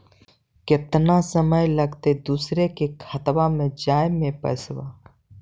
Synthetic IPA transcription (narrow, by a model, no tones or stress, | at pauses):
kɪt̪nasəməjləɡt̪ed̪uːsɾekekʰət̪wamẽd͡ʒaːjmẽpə̰swa